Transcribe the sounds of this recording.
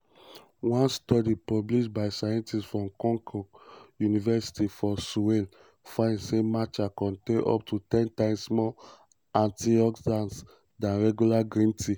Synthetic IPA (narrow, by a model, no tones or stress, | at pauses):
wãnstɔdipɔbliʃbaɪsajɛ̃ntisfɹɔ̃mkɔ̃ŋkʰɔjunivɛsi̥tifɔsuwel | fãɪ̃ndsemat͡ʃakɔ̃ntẽʔɔ̰p̚tʰutɛ̃ntãɪ̃mssmɔ | ãntiɔkdãns | dãnɹɛɡjulaɡɹĩntʰi